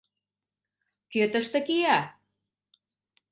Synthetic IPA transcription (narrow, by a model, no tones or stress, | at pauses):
køt̪ə̆ʃt̪ə̆kijɑ